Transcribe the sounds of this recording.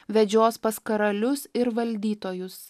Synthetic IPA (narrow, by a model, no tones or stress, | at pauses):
ʋʲɛd͡ʒʲoːspɐskɐɾɐlʲʊsɪɾʋɐlʲd̪ʲiːt̪oːjʊs